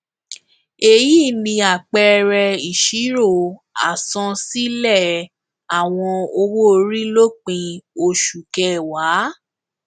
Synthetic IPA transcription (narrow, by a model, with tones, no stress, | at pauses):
e˧˨ji˦˨nĩ˧a˨k͡pɛ˧ɾɛ˧i˨ʃi˨˦ɾo˦˨a̰˨sɔ̃˧si˦lɛ˦˨ | a˨w̃ɔ̃˧o˧wo˦˧ɾi˦lo˦k͡pĩ˧o˧˨ʃu˨kɛ˧˨wa˨˦